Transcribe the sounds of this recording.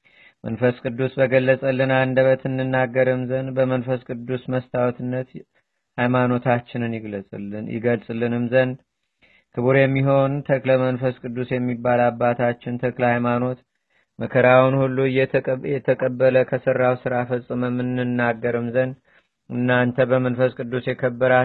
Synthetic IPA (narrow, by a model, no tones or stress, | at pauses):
mə̰nfəskʼɨd̪ːusbəɡəlːəsʼəlːɨnand̪əβət̪ʰɨnːɨnːaɡːəɾɨmzənbəmənfəskʼɨd̪ːusməst̪ʰawt̪ɨnːət̪ | hajmano̞t̪ʰat͡ʃːɪnɨnjɪɡləsʼjɪ̰ɡəlsʼɨlːɨnɨmzən | kʰɨβuɾjɛmːiɦo̞nt̪ʰəkləmənfəskʼɨd̪ːusjɛmːibːalabːat̪ʰat͡ʃːɪnt̪ʰəkləhajmano̞t̪ | məkʰəɾawnhulːujɛjɛt̪ʰəkʼəbːələkʰəsɨɾːawsɨɾafəsʼːɨməmɨnːɨnːaɡːəɾɨmzən | ɨnːant̪ʰəbəmənfəskʼɨd̪ːusjɛkʰəbːəɾa